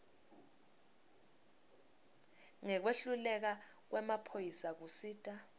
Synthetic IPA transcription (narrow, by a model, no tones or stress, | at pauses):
ŋɛk̬weɬulɛk̬ak̬wɛmapʰojisak̬usiːtʼa